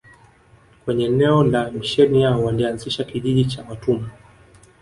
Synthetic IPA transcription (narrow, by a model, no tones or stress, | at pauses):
kwɛɲɛnɛɔlamiʃɛniaɔwalianziʃakiʄiʄit͡ʃawatuma